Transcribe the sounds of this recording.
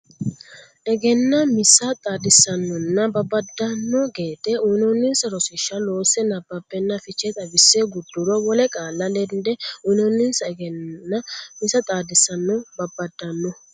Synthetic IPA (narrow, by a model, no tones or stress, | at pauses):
ʔɛɡɛnːɐmɪsːɐt̪ʼaːd̪ɪsːɐnːɔnːɐbɐbːɐd̪ːɐnːɔɡeːt̪ɛunɔnːɪnsɐɾɔsɪʃːɐlo̞ːsɛnɐbːɐbːɛnːɐfɪt͡ʃːɛt̪ʼɐbɪsːeɡʊd̪ːʊɾɔwɔlɛkʼaːlːɐlɛnd̪ɛujnɔnːɪnsɐɛɡɛnːɐmɪsɐt̪ʼaːd̪ɪsːɐnːɔbɐbːɐd̪ːɐnːɔ